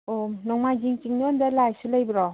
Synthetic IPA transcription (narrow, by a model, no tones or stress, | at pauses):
onɔŋmad͡ʒiŋt͡ʃiŋnɔndalajsulajbɾɔ